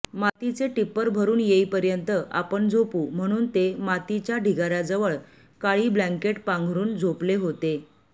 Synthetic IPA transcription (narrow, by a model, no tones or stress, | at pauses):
mat̪it͡seʈipːəɾbʱəɾuːnjeipəɾjənt̪əʔapəɳd͡zʱopuːm̤əɽ̃uːnt̪emat̪it͡ɕjaɖʱiɡaɾad͡zəʋəɭ | kaɭiːblaŋkeʈpãŋɡʱɾuːnd͡zʱopleɦot̪e